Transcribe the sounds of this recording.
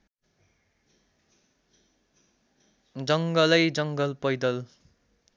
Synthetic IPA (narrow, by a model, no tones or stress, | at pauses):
d͡zʌŋɡʌlʌjd͡zʌŋɡʌlpʌjd̪ʌl